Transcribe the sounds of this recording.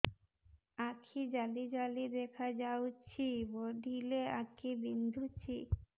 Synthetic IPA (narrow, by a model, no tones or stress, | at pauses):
akʰid͡ʑalid͡ʑalid̪ɛkʰad͡ʑawt͡ɕʰiboɖʱileakʰibind̪ʱut͡ɕʰi